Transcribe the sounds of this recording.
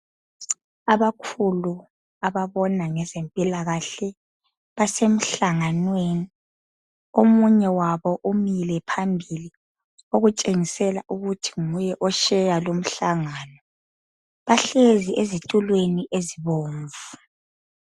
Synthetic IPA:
aβakʰulu | aβaβɔnaŋɛzempʼilaɣaɬɛ | βasem̩ɬaŋanweni | omuɲɛwaβɔʔumilɛpʰambʱili | oɣut͡ʃʼeŋisɛlaʔuɣutʰi̥ŋujɛʔɔʃɛjalom̩ɬaŋanɔ | βaɬeziʔezitʼulweniʔeziβoːɱvu

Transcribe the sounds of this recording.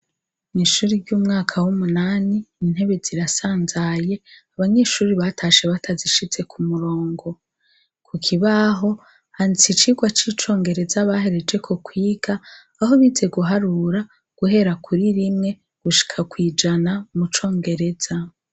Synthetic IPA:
niʃuːɾiɾɟuːmŋaːkʰawumunaːniːn̥he̞βe̞ziɾasaːnzaje̞aβaɲe̞ːʃuːɾiβatʰaʃe̞βatʰaziʃize̞kʰumuɾo̞ːŋɡo̞ | kʰukʰiβaɦo̞ | hant͡sit͡ʃiɡwat͡ʃiːt͡ʃo̞ːŋɡe̞ɾe̞zaβaɦe̞ɾe̞d͡ʒe̞kʰokwiːɡ̥aː | ɦo̞βiːze̞ɡuɦaɾuɾa | ɡ̥uɦe̞ɾakuɾiɾimŋe̞ | ɡ̥uʃi̥kʰakwiːd͡ʒanamut͡ʃo̞ːŋɡe̞ɾe̞z̥a

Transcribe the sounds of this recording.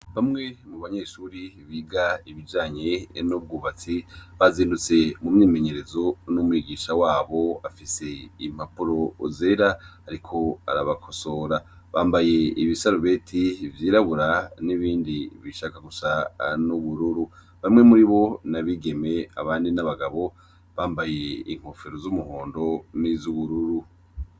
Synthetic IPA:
βamŋe̞muβaɲe̞ʃuɾiβiːɡaiβid͡ʒaːɲenub̚ɡuːβat͡siβaziːndut͡se̞mumɲiːme̞ɲe̞ɾe̞zo̞numwiːɡiːʃawaːβo̞afise̞im̥apuɾo̞zeːɾaaɾikʰo̞a̰ɾaβakʰo̞so̞ɾa | βaːmbaje̞iβisaɾoβe̞tʰivjiːɾaβuɾaniβiːndiβiʃakaɡusanuβuɾuɾu | βamŋe̞muɾiβo̞naβiɡe̞me̞a̰βaːndinaβaɡaβo̞ | βaːmbaje̞ḭŋ̥ho̞feɾozumuhoːndo̞nizuβuɾuɾu

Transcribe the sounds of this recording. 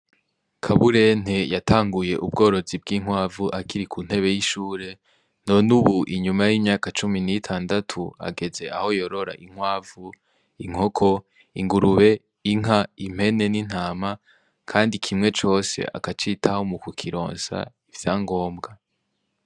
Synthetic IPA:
kʰaβuɾe̞n̥e̞jatʰaːŋɡuje̞ʔub̚ɡo̞ːɾo̞zib̚ɡiːŋ̥waːvuʔakʰiɾikʰun̥he̞βe̞jiʃuːɾe̞ | no̞nuβuʔiɲumajiːmɲaːkat͡ʃuminitʰaːndatʰua̰ɡe̞ze̞ʔaho̞jo̞ɾo̞ɾa̰ʔiŋ̥waːvu | iŋ̥o̞kʰo̞ | iŋɡuɾuβe̞ | iŋaim̥he̞ne̞nin̥haːma | kʰaːndikʰimŋe̞t͡ʃo̞ːse̞̰ʔa̰kat͡ʃitʰahomukukʰiɾo̞̰ːnsa̰ | ivjaːŋɡo̞ːmbɡa

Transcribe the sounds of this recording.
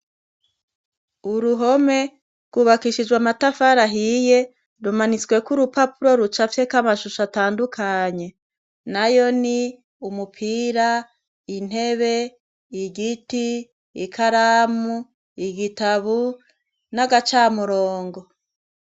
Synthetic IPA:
uɾuɦo̞me̞ | ɾɡ̥uβakiʃid͡ʒɡwamatafaɾaɦije̞ | ɾumanit͡swe̞kuɾupapuɾo̞ɾut͡ʃafjekamaʃuʃataːndukʰaɲe̞ | najo̞ni | umupʰiːɾa | in̥he̞βe̞ | iɡitiː | kʰaɾamu | iɡitaβu | naɡat͡ʃaːmuɾoːŋɡo̞

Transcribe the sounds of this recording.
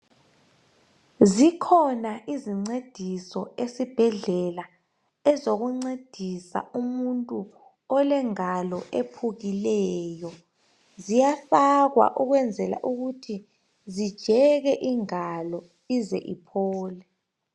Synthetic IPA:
zikʰɔnaʔiziŋ͡ǀed̥ʱisɔesib̥ʱɛɮɛla | ɛzoɣuŋ͡ǀed̥ʱisa̰umuntʼu | ɔlɛŋalɔʔepʰuɣilɛjɔ | zijafaɣwa̰ʔuɣwɛnd͡zʱɛla̰ʔuɣutʰi | zid̥ʒ̥ʱɛɣɛʔiŋalɔ | izɛ̰ʔḭpʰɔːlɛ

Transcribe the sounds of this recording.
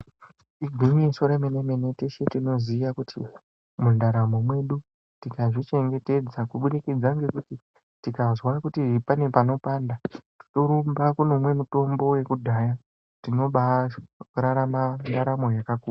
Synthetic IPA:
iɡʱimiesoɾemenemene̞teʃetino̞ziʋakutʰḭ | mundaɾamo̞mwe̞ɗu | tikaʐit͡ʃe̞ŋɡe̞te̞d͡zakuɓuɾikid͡zaŋɡe̞kuti | tikazwakutiʐipane̞pano̞pandati̥toɾumbakuno̞mwe̞muto̞mbo̞we̞kudʱaja | tino̞ɓa | ɾaɾamandaɾamo̞jakakuːa

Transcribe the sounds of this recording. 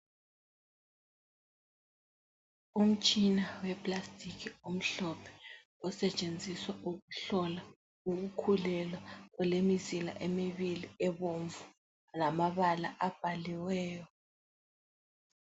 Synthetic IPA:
um̩t͡ʃʼinawɛpʰʼlastʼikʰium̩ɬɔpʰɛ̥ | ɔsɛt͡ʃʼend͡zʱiswaʔuɣuɬɔla | uɣukʰulɛlwaɣɔlemizila̰ʔemiβiliɛβoɱvu | lamaβala̰ʔab̥ʱaliwɛːjɔ

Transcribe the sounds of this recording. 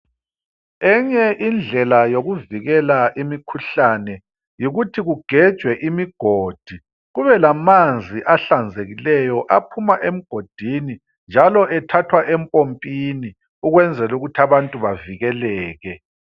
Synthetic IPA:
ɛɲɛʔind͡ɮʱɛlajoɣuviɣɛlaʔimikʰuɬanɛ | jiɣutʰiɣuɡ̥ʱɛd̥ʒ̥ʱwɛʔimiɡ̥ʱoːd̥ʱi | ɣuβɛlamand͡zʱiʔaɬand͡zʱeɣilɛjɔʔapʰumaʔem̩ɡ̥ʱod̥ʱini | nd͡ʒʱalɔʔɛtʰatʰwaʔɛmpʼompʼini | uɣwɛnd͡zʱɛluɣutʰiaβantʼuβaviɣɛlɛːɣɛ

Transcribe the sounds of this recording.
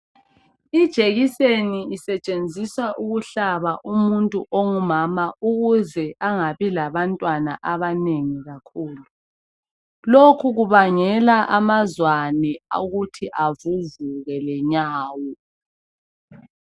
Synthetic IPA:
id̥ʒ̥ʱeɣiseniisɛt͡ʃʼend͡zʱiswaʔuɣuɬaβaʔumuntʼuʔoŋumamauɣuzɛʔaŋaβilaβantʼwanaʔaβaneŋiɣakʰuːlu | lokʰuɣuβaŋɛlaʔamazwanɛa̰ɣutʰiʔavuzuɣɛlɛɲaːwɔ

